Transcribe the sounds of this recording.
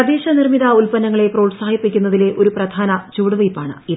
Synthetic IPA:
ɐd̪eːɕɐnirmiðɐulpɐnɐŋːɐɭe̞proːɭsaːhipːikʲːunːɐðile̞ʔo̞ɾuprɐd̪ʱaːnɐt͡ɕuːɽɐʋɐjpːaːɳɨ̰i

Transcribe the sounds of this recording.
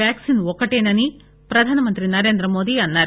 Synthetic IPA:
aːksinʋɔkːɐʈeːnɐni | pɾɐd̪ʱaːnɐmɐnt̪ɾinɐɾeːnd̪ɾɐmoːd̪iɐnːɐɾ

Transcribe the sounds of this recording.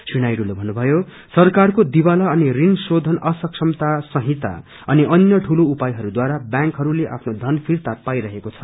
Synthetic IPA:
sinajɽulobʱʌnːubʱʌjo | sʌrkarkod̪ibalʌʌnirinsod̪ʱʌnʌsʌkʂʌmt̪asʌɦĩt̪a̰ | ʌniʔʌnjʌʈʰuloupajɦʌɾud̪waɾabjãŋkɦʌɾuleʔa̰pʰnod̪ʱʌnpʰirt̪apajɾʌɦekot͡sʰʌ̥

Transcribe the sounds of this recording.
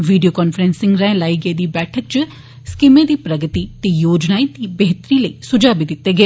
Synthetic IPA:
ʋiːɖijoːkɔːnfʰəɾɛ̃nsɪ̃ŋɡɾɛ̃ːlaːiːɡeːd̪iːbɛːʈʰək̚t͡ʃ | skimẽːd̪iːpɾəɡət̪iːt̪eːjoːd͡ʒnaːiːt̪iːbeɦt̪ɾiːləiːsʊd͡ʒaːbiːd̪ɪt̪ːeːɡeː

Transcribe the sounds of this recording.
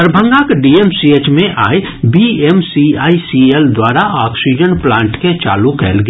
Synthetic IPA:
əɾbʱə̃ŋɡakɖiːeːmsieːt͡ʃmẽʔaːj | biemsiaːisield̪waːɾaʔaːksid͡ʒənplãːɳʈket͡ʃa̰ːlukɛ̰ːlɡ

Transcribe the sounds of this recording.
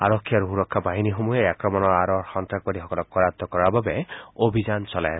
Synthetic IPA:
aɾɔkʰːijaɾuɦuɾɔkʰːabaɦinixomujajakɹɔmɔnɔɹaɾɔɹxɔnt̪ɾak̚bɔɾixɔkɔlɔk̚ɔɹat̪ːɔkɔɹaɹbabɛobʱid͡ʒant͡ʃɔla̰j

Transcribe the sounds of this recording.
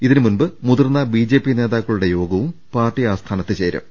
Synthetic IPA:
iðinɨmunbɨmuðɐrnːɐbiːd͡ʑe̞ːpːine̞ːðaːkːɐɭuɽe̞jo̞ːɡɐʋumpaːrʈːiaːst̪ʰaːnɐt̪ːɨt͡ɕeːɾɐ̰m

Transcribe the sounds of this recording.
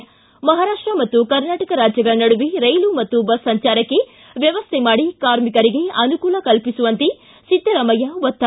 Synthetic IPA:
mɐɦaːɾaːʂʈɾɐmɐt̪ːukɐɾnaːʈɐkɐɾaːd͡ʒjɐɡɐɭɐnɐɽuʋiɾɐjlumɐt̪ːubɐsːɐɲt͡ʃaːɾɐkːe̞ | ʋjɐʋɐst̪ʰemaːɽikaːɾmikɐɾiɡe̞ɐnukuːlɐkɐlpisuʋɐnt̪i | sit̪ːɐɾɐmɐjɐʋɐt̪ːa

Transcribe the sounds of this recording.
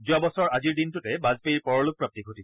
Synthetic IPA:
zʊabɔsɔɹaziɹdintʊtɛbazpeiɹpɔɹɔlʊk̚pɹap̚tiɡʱotik

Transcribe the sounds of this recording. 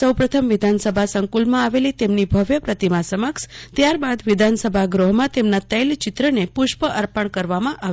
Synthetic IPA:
səwpɾət̪ʰəmʋɪd̪ʱansəbʱasəŋkulmãaʋelit̪emnibʱəʋjəpɾət̪imãsəməkʃt̪jaɾbad̪ʋɪd̪ʱansəbʱaɡɾoɦmãt̪emnat̪əjlt͡ʃɪt̪ɾənepʊʃpəʔəɾpəɳkəɾʋamãʔa

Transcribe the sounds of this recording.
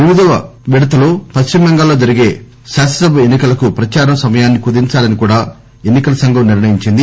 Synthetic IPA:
iʋid̪ɐʋɐʋiɽɐt̪ɐlupɐʃt͡ʃimɐŋɡaːlːo̞ːd͡ʒɐɾiɡe̞ː | ʃaːʃɐsɐbʱɐenːikɐlɐkupɾɐt͡ʃaːɾɐmsɐmɐjaːnːikud̪iɲt͡ʃaːlɐnikuːɽaː | enːikɐlɐsɐŋɡɐmniɾɳɐjiɲt͡ʃind̪i

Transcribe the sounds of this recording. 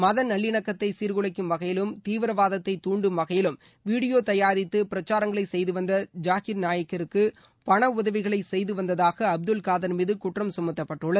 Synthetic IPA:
mɐðɐnɐɭːɪɳɐkːɐt̪ːɐɪsiɾɣɯɭɐɪkːɯmʋɐɣɐjɪlɯmt̪iːʋɪɾɐʋaːðɐt̪ːɐɪt̪uːɳɖɯmʋɐɣɐjɪlɯm | ʋiːɽɪjoːt̪ɐjaːɾɪt̪ːɯpɪɾɐt͡ʃːaːɾɐŋɡɐɭɐɪsɛjðɯʋɐnd̪ɐd͡ʒaːɣɪɾnaːjɐkːɐɾɯkːɯ | pɐɳɐʊðɐʋɪɣɐɭɐɪsɛjðɯʋɐnd̪ɐðaːɣɐːb̚d̪ɯlkaːðɐɾmiːðɯkʊʈrɐmsʊmɐt̪ːɐpːɐʈːɯɭːɐð

